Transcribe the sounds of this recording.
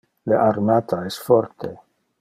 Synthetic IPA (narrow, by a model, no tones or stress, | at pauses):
leʔaɾmat̪aest̪foɾt̪ʰe